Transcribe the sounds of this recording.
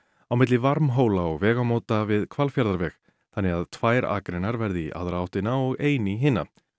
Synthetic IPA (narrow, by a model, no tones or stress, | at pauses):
awmɪt̪̬lɪvaɾmɦoːwlaɔɣvɛːɣamowt̪avɪðkʰvalfjaɾðaɾvɛɣ | θanːɛɣaðt̪ʰvaːjɾa̰ːkɾɪnaɾvɛɾðɪiʔa̰ðɾaawht̪ɪnaɔɣeːjnɪiɦɪːna̰